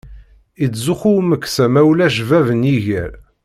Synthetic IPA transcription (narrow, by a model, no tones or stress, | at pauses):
it͡sːzuxuwməkːsæmæwlæʒvævənjiʝæ̰ɾ